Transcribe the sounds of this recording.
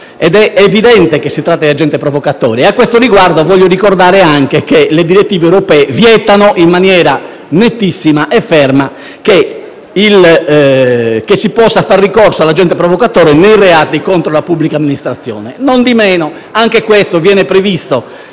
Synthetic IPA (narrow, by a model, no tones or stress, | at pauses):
ɛd̪ɛevid̪ɛnt̪ekesːit̪ɾat̪ːad̪iad͡ʒɛnt̪ɛpɾɔvɔkat̪ɔ̰ːɾieakːwest̪oɾiɡward̪ovɔʎːoɾikoɾd̪aːɾeaŋkekeled̪iɾet̪ːiːveːwɾopɛːvjɛt̪anoʔimːanjɛːɾa | net̪ːisːimaʔɛfɛrma | ke | il | kesːipɔsːafarːikɔrsoalːad͡ʒɛnt̪ɛpɾɔvɔkat̪ɔːɾɛnejrɛat̪ikont̪ɾolapubːlikamːinist̪ɾat̪sːjɔ̰ːnɛnond̪imɛːno | aŋkekwest̪ovjɛːnɛpɾevist̪o